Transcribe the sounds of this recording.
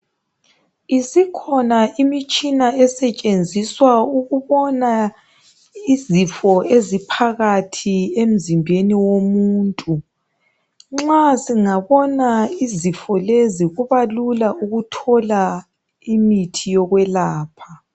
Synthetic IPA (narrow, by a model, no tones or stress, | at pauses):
isikʰɔnaʔimit͡ʃʼinaɛsɛt͡ʃʼend͡zʱiswauɣuβɔna | izifɔezipʰaɣatʰiem̩zimbʱeniwomuːntʼu | ŋ͡ǁasiŋaβɔnaizifɔleziɣuβalulauɣutʰɔla | imitʰijɔɣwɛlaːpʰa